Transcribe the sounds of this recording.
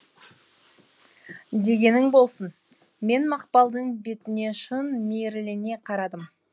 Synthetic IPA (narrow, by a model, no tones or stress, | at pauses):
d̪e̞ɡʲe̞nɪŋbo̞lˠsən | me̞nmɑqpɑlˠd̪əɴbe̞t̪ɪne̞ʃənmeɾɪlɪne̞qʰɑɾɑd̪əm